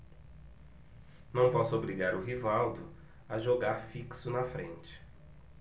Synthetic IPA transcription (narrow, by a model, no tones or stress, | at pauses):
nɐ̃w̃pɔsʊobɾiɡaɾʊɦivawd̪ʊ | ɐʒoɡaɾfiksʊnɐfɾḛ̃nt͡ʃɪ̥